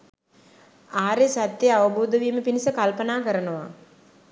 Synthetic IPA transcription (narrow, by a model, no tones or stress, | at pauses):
aːɾesat̪ːjeaʋəbuːd̪əʋiːməpinisəkalpənaːkəɾənəʋa̰